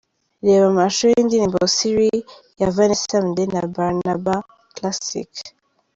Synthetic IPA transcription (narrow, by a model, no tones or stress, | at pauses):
leβamaʃɔndinimbosiɾi | javanesamdenabaɾnaba | klasḭk